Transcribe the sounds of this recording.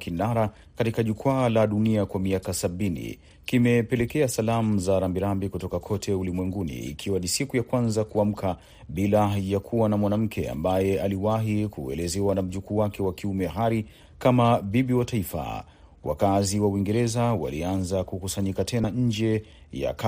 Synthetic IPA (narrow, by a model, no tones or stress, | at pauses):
kinaɾa | katikaʄukwaːlaɗuniakwamiakasaɓinḭ | kimɛpɛlɛkɛasalamuzaɾambiɾambikutɔkakʰɔtʰɛulimwɛŋɡunḭːkʰiwanisikujakwanzakuam̩kʰa | ɓilajakʰuwanamwanam̩kʰɛa̰mbajɛaliwaɦikuɛ̰lɛzɛwanam̩ʄukuwakɛwakiumɛɦaɾi | kamaɓiɓiwataifa̰ | wa̰kaziwauwiŋɡɛɾɛzawa̰lianzakukusaɲikatɛnaɲ̩d͡ʒɛja̰ka